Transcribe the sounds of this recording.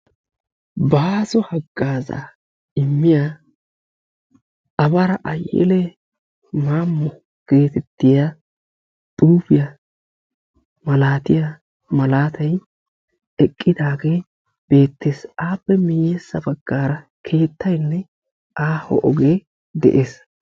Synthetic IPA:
baːzɔhɐɡːaːza̰ː | ɪmːɪja | ʔɐbɐɾɐʔɐjɛ̰lɛ | maːmːɔ | ɡ̥e̞ːt̪ɛt̪ːɪja | t̪ʼuːbɪjɐ | mɐlaːt̪ɪja | mɐlaːt̪ʰɐj | ɛkʼːɪd̪aːɡe̞ː | b̥e̞ːt̪ːeːsaːpːɛmɪjːɛsːɐbɐɡːaːɾɐ | kʰe̞ːt̪ːɐjnːɛ | aːhɔ̰ʔɔɡeː | d̪ɛ̰ʔeːs

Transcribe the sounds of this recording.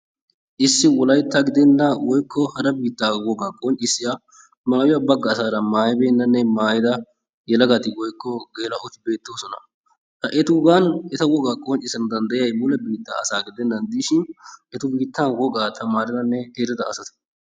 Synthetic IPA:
ʔɪsːɪwɔlɐjt̪ːɐɡɪd̪ɛnːɐwɔjkːɔhɐɾɐbiːt̪ːaːwɔɡaːkʼont͡ʃʼːɪsɪja | maːjɪjɐbɐɡːɐːsaːɾɐmaːjbeːnːɐnːɛmaːjɪd̪ɐ | jɛlɐɡɐt̪ɪwɔjkːɔɡeːlɐʔɔt̪ɪ̥be̞ːt̪ːoːsɔnɐ̰ | t̪ɐʔɛt̪ʊɡanɛt̪ɐwɔɡaːkʼont͡ʃʼːɪsɐnd̪ɐnd̪ɐjɪjɐjmʊlɛbiːt̪ːa̰ɐsaːɡɪd̪ɛnːɐnd̪iʃɪnʔɛt̪ʊbiːt̪ːɐnwɔɡaːt̪ʰɐmaːɾɪnɐnːɛheɾɪd̪ɐːsɐt̪ɪ̥

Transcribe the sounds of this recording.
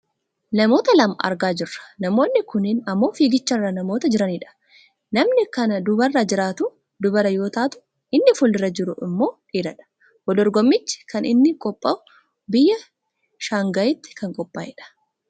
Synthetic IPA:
nɐmo̞ːt̪ɐlɐmɐʔɐ̰ɾɡaːd͡ʒɪrːɐ̥nɐmoːnːɪkʊnɪnɐmːo̞ːfiːɡɪt͡ʃːɐrːɐnɐmo̞ːt̪ɐd͡ʒɪɾɐniːᶑɐ̥ | nɐmnɪkɐnɐd̪ʊbɐrːɐd͡ʒɪɾaːt̪ʊ | d̪ʊbɐɾɐjo̞ːt̪aːt̪ʊ̥ | ɪnːɪfʊlɪɾɐd͡ʒɪɾʊɪmːo̞ːᶑiːɾɐᶑɐ̥ | wɔd̪ɔɾɡɔmːɪt͡ʃːɪ̥kɐnɪnːɪkʼɔpʼːɐʊ | bɪjːɐ | ʃaːŋɡɐjɪt̪ːɪ̥kɐŋkʼɔpʼːaːɪᶑɐ̥

